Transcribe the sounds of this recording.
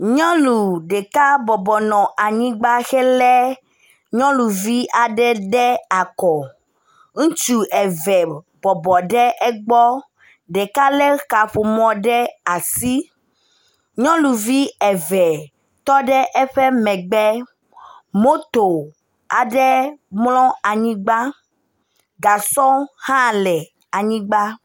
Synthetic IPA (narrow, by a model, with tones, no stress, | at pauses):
ɲɔ̃˦lu˨ɖɛ˨ka˦bɔ˨bɔ˨nɔ̃˨ʔa˨ɲĩ˦ɡ͡ba˦xɛ˦lɛ˦ | ɲɔ̃˦lu˨vi˦ʔa˨ɖɛ˦ɖɛ˦a˨kɔ˨ | ŋ̩̃˦t͡ʃu˨ɛ˨vɛ˨ | bɔ˨bɔ˨ɖɛ˦ʔɛ˦ɡ͡bɔ˦ | ɖɛ˨ka˦lɛ˦ka˨ɸo˨mɔ̃˨ɖɛ˦a˨si˦ | ɲɔ̃˦lu˨vi˦ɛ˨vɛ˨ | t̪ɔ˦ɖɛ˦ʔɛ˦ɸɛ˦mɛ̃˨ɡ͡bɛ˦ | mo˦t̪o˨ | a˨ɖɛ˦mlɔ̃˦a˨ɲĩ˦ɡ͡ba˦ | ɡa˨sɔ˦hã˦˨lɛ˨ | a˨ɲĩ˦ɡ͡ba˦